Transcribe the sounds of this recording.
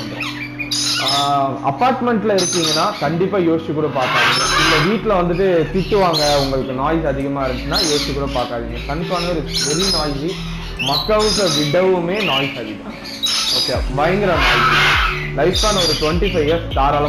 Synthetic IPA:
ɐpːaːɾʈmɛɳʈlɐɪɾɯkːiːŋɡɐnːaːkɐɳɖɪpːaːjoːst͡ʃːikːuːɽɐpaːɾkaːðiŋːɡɐɪlːɐʋiːʈːɪlɐʋɐnd̪ɯʈ̬ːɯt̪ɪʈːɯʋaːŋɡɐʊŋɡɐɭɯkːɯnaːjsɐðɪɣɐmaːɪɾɯnd̪t͡ʃːɯnːaːjoːst͡ʃːikːuːɽɐpaːɾkaːðiːŋɡɐkɐnːɪpːaːnɐʋɾɯpɛɾinaːjsi | mɐkːɐɭɯslɐʋɪɽɐʋɯmeːnaːjsɐðɪkã̰ | oːkebɐjɐŋɡɪɾɐnaːjslɐɪfaːnɐɔɾɯʈʋɛɳʈifɐɪʋɐst̪aːɾaːlɐ

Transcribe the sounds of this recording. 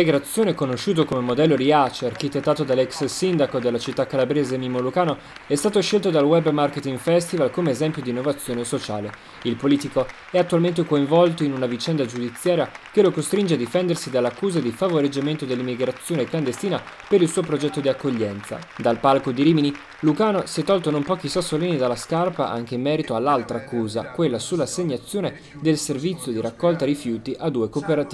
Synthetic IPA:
iɡɾat̪sːjoːneɛkonoʃːuːt̪̬okomemod̪ɛlːoɾiat͡ʃearkit̪et̪ːaːt̪od̪alːɛkssind̪akod̪elːat͡ʃit̪ːakːalabɾeːzemimolukaːno | ɛst̪aːt̪oʃelt̪od̪alwɛbmarket̪iŋɡfɛst̪ivalkomeːzɛmpjod̪inːovat̪sːjoːnesot͡ʃa̰ːle | ilpoliːt̪iko | ɛat̪ːualment̪ekoiɱvɔlt̪oinunavit͡ʃɛnd̪ad͡ʒud̪it̪sːjaːɾjakelokost̪ɾind͡ʒead̪ifɛnd̪ersid̪alːakːuːzad̪ifavoɾed͡ʒːament̪od̪elːimːiɡɾat̪sːjoːnekland̪est̪iːna | peɾilsuːopɾod͡ʒɛt̪ːod̪iakːoʎːɛnt̪sa̰d̪alpalkod̪iɾiːmini | lukaːnosiɛt̪ːɔlt̪onompɔːkisasːoliːnid̪alːaskarpaʔa̰ŋk̟eimːɛːɾit̪oalːalt̪ɾaːkːuːza̰kwelːasulːaseɲːat̪sːjoːne | d̪elservit̪sjod̪iɾakːɔlt̪aɾifjuːt̪iʔad̪ːuːekopeɾat̪iː

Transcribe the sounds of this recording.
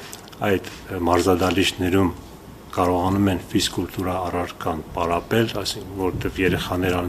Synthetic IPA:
ɑjd̪ | mɑɾzɑd̪ɑliʃnɛɾum | kɑɾɔʁɑnumɛnfiskult̪uɾɑːrɑɾkɑnpɑɾɑpɛlɑsivɔɾɛt̪ɛvjɛɾɛχɑnɛɾɑn

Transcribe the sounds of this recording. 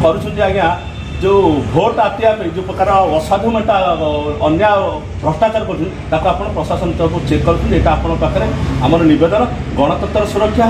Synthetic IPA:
kɔɾut͡ʃʰunt̪iaɡjã | d͡ʒebʱoʈat̪iakɔid͡ʒepɾɔkaɾɔɔsabʱumeɳʈaɔnja | bɾɔsʈat͡ʃaɾkɔt̪ʰĩ | t̪akuapɔɽ̃ɔpɾɔsasɔnt̪ɔkut͡ʃekːɔɾut͡ʃʰunt̪eʈaapɔɽ̃ɔkakaɾeamɔɾɔnibed̪ɔnɔɡɔɽ̃ɔt̪ɔnt̪ːɔɾɔsuɾɔkʰːja

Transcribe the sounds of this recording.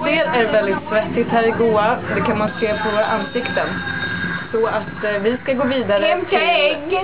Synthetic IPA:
seːɾæɾvɛld̪ɪt̪svɛt̪ːɪt̪hæːɾɪɡuːad̪ɛkʰanmanseːpʰɔvoːɾa̰ʔanːsɪkt̪ənsɔat̪vɪskaɡoːviːd̪aɾə

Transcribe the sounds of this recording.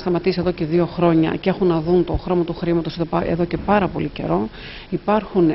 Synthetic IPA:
st̪ɐmɐt̪isieðo̞ce̞ðio̞xɾo̞ɲɐ̰cee̞xunːɐðunt̪o̞xɾo̞mɐt̪uxɾimɐt̪o̞seðoɐḛðo̞ce̞pɐɾɐpo̞lice̞̰ɾo̞ | ipɐɾxun

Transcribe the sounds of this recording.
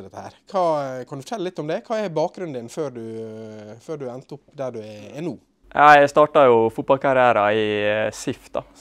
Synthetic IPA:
d̪ɛt̪əhæ̰ːɾkʰɑːkʰɑnd̪ʉfɔ̥ʈʰɛlːəlɪt̪ːɔmd̪ɛkʰɑːɛɛɾbɑːk̚ɡɾʉnd̪ɪnføːɾɖʉ | føːɖʉɛnt̪əʊpd̪æɖʉɛɛnuː | jʔɑæst̪ɑːʈɑjʊfʊt̪̚bɑlkʰɑɾɪæːɾɑɪsɪft̪̚d̪ɑ̰

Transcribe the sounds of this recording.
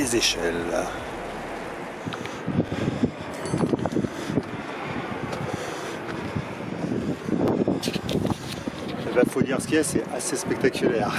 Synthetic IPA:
ezeʃɛl | ebafod̪iʁsə̥kʲiasɛʔasespɛk̚t̪akʲylɛːʁ

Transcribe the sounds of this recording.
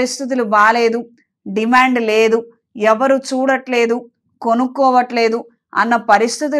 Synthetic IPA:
ist̪ʰit̪̬ilubaːle̞ːd̪u | ɖimaːɳɖleːd̪u | ɛʋɐɾut͡ʃuːɽɐʈle̞ːd̪u | konukːɔːʋɐʈle̞ːd̪u | ɐ̰nːɐpɐɾist̪ʰit̪̬i

